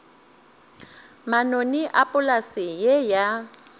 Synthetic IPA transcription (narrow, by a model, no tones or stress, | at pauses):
manoniʔapʼʊlasijeja